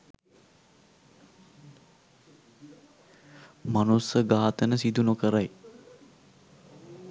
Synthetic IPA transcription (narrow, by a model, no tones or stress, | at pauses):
manusəɡaːat̪ənəsid̪unokəɾaj